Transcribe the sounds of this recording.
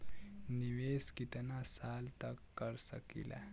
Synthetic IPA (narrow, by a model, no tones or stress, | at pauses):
niʋeskit̪nasaːlt̪əkːəɾsə̰kḭla̰